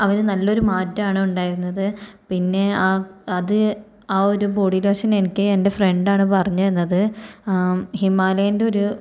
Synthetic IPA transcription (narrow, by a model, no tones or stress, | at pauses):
ɐʋɐnnɐlːo̞ɾumaːtːɐaːɳɨuɳɖaːjiɾunːɐðɨpinːe̞aːɐðɨ | aːo̞ɾuboːɽilɐɐʂɐne̞nikʲːɨende̞fre̞ɳɖaːɳɨpɐrɐɲːuenːɐðɨ | himaːlɐjinde̞o̞ɾu